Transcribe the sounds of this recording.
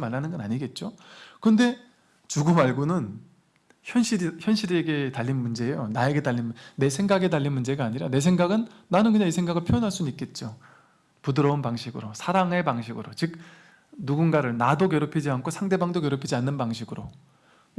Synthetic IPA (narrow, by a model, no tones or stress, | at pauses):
maɭːanɯnɡʌnaɲiɡe̞t̚t͡ɕ͈okɯnde̞ | t͡ɕuɡɯmaɭɡunɯn | çjʌnɕʰiɾçjʌnɕʰiɾe̞ɡe̞taʎːinmund͡ʑe̞ːjonae̞ɡe̞taʎːinmne̞sʰe̞ŋɡaɡe̞taʎːinmund͡ʑe̞ɡaːɲiɾane̞sʰe̞ŋɡaɡɯnːanɯnkɯɲaŋis̬ʰe̞ŋɡaɡɯɭpʰijʌnɦaɭs͈unuik͈e̞t̚t͡ɕ͈o | pudɯɾʌunpaŋɕʰiɡɯɾosʰaɾaŋepaŋɕʰiɡɯɾot͡ɕɯk̚ | nuɡunɡaɾɯɭnadokjʌɾopʰid͡ʑiankʰosʰaŋde̞baŋdokjʌɾopʰid͡ʑianːɯnbaŋɕʰiɡɯɾo